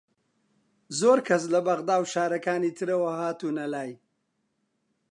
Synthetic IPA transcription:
zoːɾkʰas̬labaɣd̪aːwʃaːɾakaːnit̪ʰəɾawaɦaːt̪unalaːj

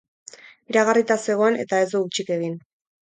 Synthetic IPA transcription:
iɾaɣarit̪ase̞ɣo̞ene̞̰t̪ae̞zd̪uut͡ʃike̞ɣin

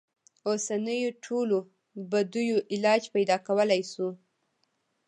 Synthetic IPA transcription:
osanəjoʈʰolo | bad̪ujoʔɪlɑd͡ʒpajd̪ɑkawəlajsu

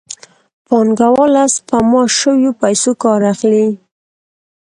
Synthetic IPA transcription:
pɑnɡawɑlaspamɑʃəwjopajsokɑɾaxli

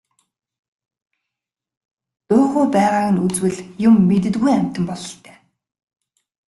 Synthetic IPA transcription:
t̪oːxʊːpæːʁaːɣə̆nut͡swɘ̆ɮjʊmːet̪̬ɘ̆t̪ɡɣujæm̥ʲt̪ɘ̆mpɔɮɞ̆ɬt̪ʰæ̥ː

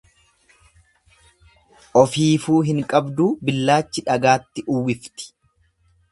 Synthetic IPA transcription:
ʔɔfiːfuːɦɪŋkʼɐbd̪uːbɪlːaːt͡ʃːɪᶑɐɡaːt̪ːɪʔʊwɪft̪ɪ̥

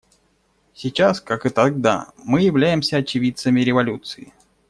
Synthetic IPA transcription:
sʲɪt͡ɕaskakɨt̪ɐɡ̚d̪a̰mɨjɪvlʲæjɪmsʲəɐt͡ɕɪvʲit̪səmʲɪɾʲɪvɐlʲut̪sɨɪ

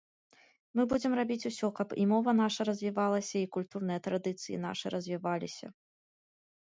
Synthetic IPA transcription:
mɨbud͡zʲɛmrabʲit͡sʲusʲɔkɐpḭmɔvɐn̪aʂɐɾɐzʲvʲivalˠɐsʲɐikulʲt̪urn̪ɨjɐt̪ɾad̪ɨt̪sɨjḭn̪a̰ʂɨɾɐzʲvʲivalʲisʲɐ̰

